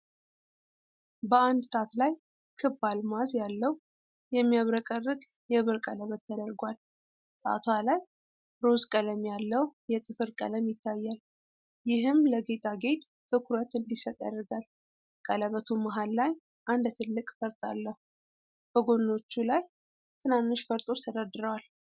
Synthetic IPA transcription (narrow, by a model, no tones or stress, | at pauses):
bəand̪t̪ʰat̪laj | kʰɨbːalmazjalːəw | jɛmːijaβɾəkʼərːɨɡ | jɛβɨɾkʼələβət̪ːʰəd̪əɾɡʷwal | t̪ʼa̰t̪ʰwalaj | ɾo̞zkʼələmjalːəwjɛt̪ʼɨfɨɾkʼə̰ləmjɪt̪ʰːajːal | jɪɦɨmləɡe̞t̪ʼʰaɡe̞t̪ʼ | t̪ʰːɨkʰuɾət̪ɨnd̪isət̪ʼə̰rːɨɡal | kʼələβət̪ʰumaɦalːaj | ʔand̪t̪ʰɨlːɨkʼfəɾt̪ʼa̰lːəhu | b̥əɡo̞nːo̞t͡ʃːulaj | t̪ʰɨnanːɨʃfəɾt̪ʼo̞t͡ʃt̪ʰəd̪ad̪ɨɾəwal